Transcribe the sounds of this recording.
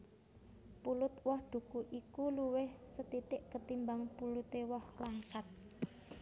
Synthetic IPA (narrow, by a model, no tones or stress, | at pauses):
pulʊt̪wɔhd̪̥ṳkuʔikuluwɪhsət̪it̪ɪʔkət̪imbaŋpulut̪ewɔhlaŋsat̪̚